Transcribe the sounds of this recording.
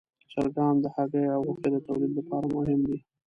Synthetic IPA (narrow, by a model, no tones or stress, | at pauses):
t͡ʃaɾɡɑnd̪əhaɡəjawɣʊked̪ət̪awlid̪lapɑɾamʊɦɪmd̪i